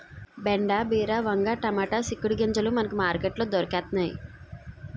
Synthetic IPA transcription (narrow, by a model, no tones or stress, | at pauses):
beɳɖaːbiːɾaːʋɐŋɡaːʈɐmaːʈaːsikːuɽiɡɐɲd͡ʒɐlumɐnɐkumaːɾkeːʈloːd̪ɔɾɐkɛːt̪naːjḭ